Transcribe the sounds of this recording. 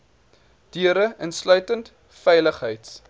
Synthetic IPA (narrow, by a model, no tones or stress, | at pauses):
d̥yəɾəʔənslœɥtənt | fɛjləχɦəjts